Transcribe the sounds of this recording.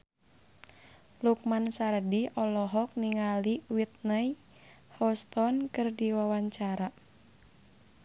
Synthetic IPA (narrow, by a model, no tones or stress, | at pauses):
luk̚mansaɾdiɔlɔɦɔk̚niŋaliwit̪̚naj | hɔst̪ɔnkɨrdiwawaɲt͡ʃaɾa